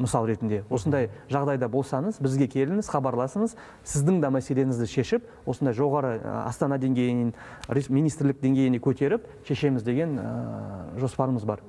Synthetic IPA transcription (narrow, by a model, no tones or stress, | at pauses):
məsɑlˠɾe̞t̪ɪnd̪e̞wo̞sənd̪ɑjʒɑʁd̪ɑjd̪ɑbo̞lˠsɑɴəzbɪzɡʲe̞kʲʰe̞lɪŋɪz̥χɑbɑɾlˠɑsəɴəz | sɪzd̪ɪŋd̪ɑmæse̞le̞ŋɪzd̪ɪʃe̞ʃɪp̚ | wo̞sənd̪ɑjʒo̞ʁɑɾə̰ɑ̰st̪ɑnɑd̪e̞ŋɡʲe̞jɪnɪn | ɾimijnijst̪ɾlɪk̚d̪e̞ŋɡʲe̞jɪnekʲʰɵt̪e̞ɾɪpʃe̞ʃe̞mɪzd̪e̞ɡʲe̞n | ʒo̞spɑɾəməzbɑɾ